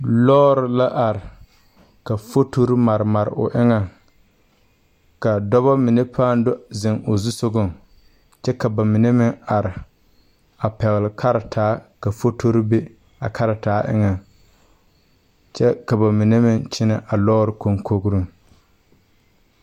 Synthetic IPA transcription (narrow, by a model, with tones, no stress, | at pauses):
lɔː˦ɾɪ˨la˦ʔa˨ɾɪ˨ | ka˨fo˦to˦ɾi˦ma˨ɾɪ˨ma˨ɾɪ̰˨ʔʊ̰˨ʔɪ˦ŋa˨ŋ | ka˨dɔ˦βɔ˦mɪ˨ne˦pʰaː˦n˦dʊ˦zɪ˨ŋo˨zu˦so˦ɡʊ˦˨ŋ | t͡ʃɛ˦ka˨ba˨mɪ˨ne˦mɪ˦ŋa˨ɾɪ˨ | a˨pɛ˨ɣɪ˨lɪ˨kʰa˦ɾɪ˨tʰaː˨˦ka˨fo˦tʰo˦ɾbe˦ | a˨kʰa˦ɾɪ˨taː˨˦ʔɪ̰˦ŋa˨ŋ | t͡ʃɛ˦ka˨ba˨mɪ˨ne˦mɪ˦ŋt͡ʃɪ˦na˦ʔa˨lɔː˦ɾɪ˦ko˦ŋko˦ɡɾu˦ŋ